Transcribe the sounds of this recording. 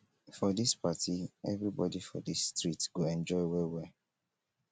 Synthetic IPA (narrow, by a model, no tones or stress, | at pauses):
fɔdispatʰiɛvɹibɔdifɔ̰disːtɹitɡ̥oɛ̃nd͡ʒɔɪwewɛ